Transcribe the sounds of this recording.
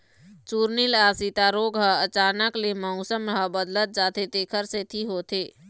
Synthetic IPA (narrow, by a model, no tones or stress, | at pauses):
t͡ʃuːɾnilaːsit̪aɾoːɡɦəət͡ʃaːnəklemɔʊsəmɾəɦəbəd̪lət̪̚d͡ʒaːt̪et̪eːkʰəɾset̪ʰiɦoːt̪ʰeː